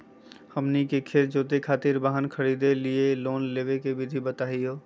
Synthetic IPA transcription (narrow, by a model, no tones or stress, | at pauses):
hɐmnikekʰeːɾd͡ʒoːt̪ekʰaːt̪ɪɾbaːɦənkʰəɾiːd̪elieloːnleːʋekebʱɪd̪ʱibət̪aːɦiɦoː